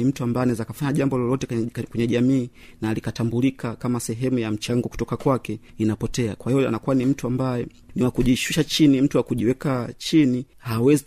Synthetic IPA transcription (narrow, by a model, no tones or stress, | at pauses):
im̩tuambaɛnaɛzakafaɲaʄambɔlɔlɔtɛkwɛɲɛʄamiː | nalikatambulikakamasɛɦɛmujam̩t͡ʃaŋɡɔku̥tɔkakwakɛinapɔtɛakwahijɔa̰nakuanim̩tuambajɛ | niwakuʄiʃuʃat͡ʃinim̩tuwakuʄiwɛkat͡ʃini | hawɛzi